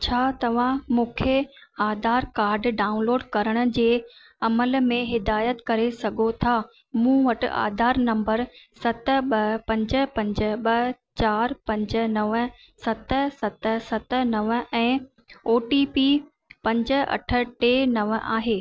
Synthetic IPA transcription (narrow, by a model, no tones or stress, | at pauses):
t͡ɕʰaːt̪ɐʋ̤ãmũːkʰeaːd̪ʱaːɾkaːɾɖɖaːʊ̃nloːɖkɐɾəɽ̃ʊ̆d͡ʑeː | ɐməlmẽɦɪd̪aːjət̪kɐɾesɐɡʱot̪ʰaː | mũːʋɐʈa̰ːd̪ʱaːɾnɐ̃mbəɾsɐt̪ə̆ɓɐpɐ̃ɲd͡ʑə̆pɐ̃ɲd͡ʑə̆ɓɐt͡ɕaːɾpɐ̃ɲd͡ʑə̆nɐʋə | sɐt̪ə̆sɐt̪ə̆sɐt̪ə̆nɐʋə̆ɛ̃ː | oːʈipi | pɐ̃ɲd͡ʑə̆ɐ̰ʈʰə̆ʈeːnɐʋʔa̰ːɦeː